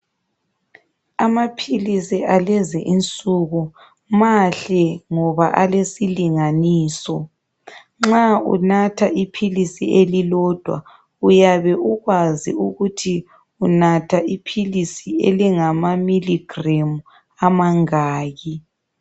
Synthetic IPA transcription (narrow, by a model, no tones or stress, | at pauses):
amapʰilisialɛzɛʔint͡sʼuɣu | maɬɛŋɔβaʔalesiliŋaniːsɔ | ŋ͡ǁaṵnatʰaʔipʰilisielilɔd̥ʱwa̰ | ujaβɛʔuɣwazḭuɣutʰi | unatʰaʔipʰilisiḛliŋamamiliɡ̥remu | amaŋaːɣi